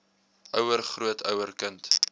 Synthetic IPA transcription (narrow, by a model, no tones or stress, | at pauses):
ʔœwərχruətʰœwərkənt